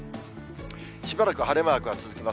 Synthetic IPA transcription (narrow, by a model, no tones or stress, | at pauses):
ɕibaɾakɯ̟ɦaɾe̞maːkɯ̟βat͡sɨzɨkʲema